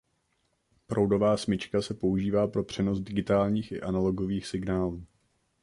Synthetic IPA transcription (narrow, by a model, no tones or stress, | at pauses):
pɾʔowdo̞vaːsmɪt͡ʃkasɛpo̞uʒiːvaːpɾo̞pr̝̥ɛno̞sdɪɡɪt̪aːlɲiːxʔɪ̰ʔanalo̞ɡo̞viːxsɪɡnaːluː